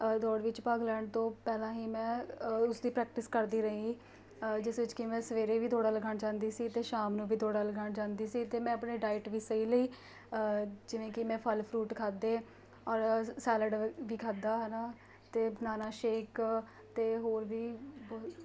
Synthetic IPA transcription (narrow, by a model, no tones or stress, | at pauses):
d̪ɔːɽʋɪt͡ʃpaːɡlɛːɳɖt̪õːpɛːlãːɦiːmɛ̃ːʊsd̪iːpɾɛːk̚ʈɪskəɾd̪iːɾəĩi | d͡ʒɪsʋɪt͡ʃkɪmɛ̃ːsəʋeːɾeːʋiːt̪ʰoːɽaːləɡaːɳd͡ʒãːnd̪iːsiːt̪eːʃaːmnũːʋiːt̪ʰoːɽaːləɡaːɳd͡ʒãːnd̪iːsiːt̪eːmɛ̃ːəpɳeːɖaːɪʈʋiːsəiːləiː | d͡ʒɪʋẽːkɪmɛ̃ːpʰəlpʰɾuːʈkʰaːd̪eː | ɔːɾsɛːləɖʋiːkʰaːd̪aːɦɛnaː | t̪eːbnaːnaːʃeːk | t̪eːɦoːɾʋiːbɔ